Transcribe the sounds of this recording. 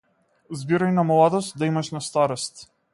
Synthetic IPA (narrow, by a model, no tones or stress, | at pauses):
zbiɾajnamlˠad̪ɔst̪̚d̪aimaʃnast̪aɾɔst̪